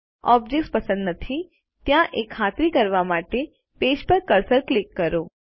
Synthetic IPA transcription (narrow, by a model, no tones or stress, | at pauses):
ɔ̰ːb̚d͡ʒek̚spɐsə̃nd̪nət̪ʰi | t̪jãʔekʰːaːt̪ɾikəɾʋamaːʈe | peːd͡ʒpəɾkəɾsəɾklikːəɾoː